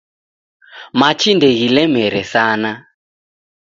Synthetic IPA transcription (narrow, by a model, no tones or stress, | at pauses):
mat͡ʃindɛɣilɛmɛɾɛsana